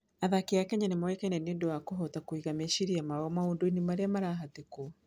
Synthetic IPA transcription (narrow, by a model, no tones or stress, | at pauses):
aðakeakɛɲanemawɛkɛɲɛneːndowakoɦɔtakwiɣameʃiɾiamaɔmaoːndoinimaɾeamaɾaɦateko